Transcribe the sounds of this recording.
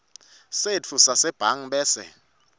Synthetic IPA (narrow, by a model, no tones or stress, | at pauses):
sett͡fʰusasɛb̥ʱaŋ̩ɓɛːsɛ̰